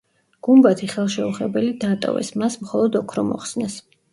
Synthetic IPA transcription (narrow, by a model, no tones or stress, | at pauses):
ɡ̥umbat̪ʰiχɛlˠʃɛuχɛbɛlid̪aːt̪ʼɔ̰vɛ̰smasmχɔlˠɔd̪ɔkʰɾɔmɔ̰χsnɛs